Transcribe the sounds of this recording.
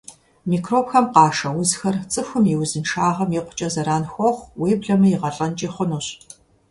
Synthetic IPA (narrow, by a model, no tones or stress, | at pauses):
miːkroːpxɐmqɑːʂɐwʊzxɐrt͡sʼɨxʷʊmjiwzɨnʂaːʁɐmjɪqʷʊ̥t͡ʃʼɐzɐɾaːnxʷɔχʷweːbɮɐmɨjɪʁɐɬʼɐnt͡ʃʼiːχʷʊnuɕ